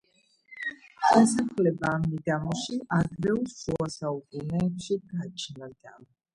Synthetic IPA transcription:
mɔsaχlɛbaːmnid̪amɔʃiʔad̪ɾɛulˠʃuasaukʼunɛːpʃiɡat͡ʃʰnad̪a

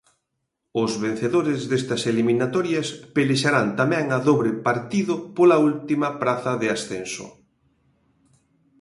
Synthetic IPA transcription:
ʊzβen̟θeðoɾɪzðest̪ɐseliminat̪ɔɾjɐspeleʃaɾant̪amɛ̃ŋaðoβɾepaɾt̪iðʊpolɐult̪imɐpɾaθɐðɪasθensʊ̰

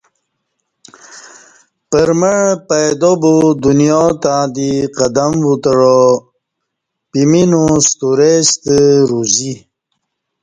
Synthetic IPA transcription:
pəɾməɻpajd̪obud̪unijot̪ãd̪iqəd̪amwut̪əɻo | piminust̪uɾest̪əɾuzi

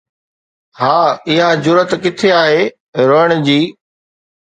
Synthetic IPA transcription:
ɦaːɪɦad͡ʑʊɾət̪kɪt̪ʰeaːɦe | ɾoːɪəɽ̃d͡ʑiː

